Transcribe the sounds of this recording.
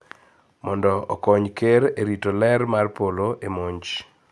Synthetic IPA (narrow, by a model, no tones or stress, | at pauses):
mɔndɔɔ̰kɔɲkeɾeɾitolɛrmarpoloʔemoɲt͡ʃ